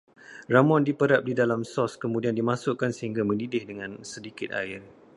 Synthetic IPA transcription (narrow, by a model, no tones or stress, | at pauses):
ramɔ̃ndipəɾap̚didalamsɔskəmũdiandimãsʊʔkansəhiŋɡamə̃ndidɪhdəŋãnsədikɪt̪̚a̰ɪr